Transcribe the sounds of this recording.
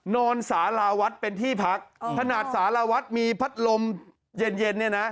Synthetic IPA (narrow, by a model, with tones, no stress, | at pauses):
nɔː˧nsaː˩˦laː˧wa˦˥t̪̚pe˧nt̪ʰiː˥˩pʰa˦˥k̚t̪ʰa˧naː˨˩t̪̚saː˩˦laː˧wa˦˥t̪̚miː˧pʰa˦˥t̪̚lo˧m | je˧nje˧nːi˥˩na˦˥ʔ